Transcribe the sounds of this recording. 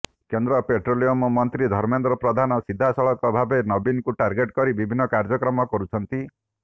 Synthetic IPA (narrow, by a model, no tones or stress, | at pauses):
kend̪ɾɔpeʈɾoliomɔmːɔnt̪ɾid̪ʱɔɾmend̪ɾɔpɾɔd̪ʱanɔsid̪ʱːasɔɭɔkɔbʱabenɔbinkuʈaɾɡeʈkɔɾibibʱinːɔkaɾd͡ʒɔkɾɔmɔkɔɾut͡ʃʰɔnt̪i